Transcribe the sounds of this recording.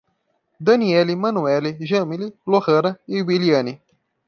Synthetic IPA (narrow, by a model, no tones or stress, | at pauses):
d̪ɐniɛlimɐ̃nuɛliʒɐ̃mililohɐɾɐɪwiliɐ̃ni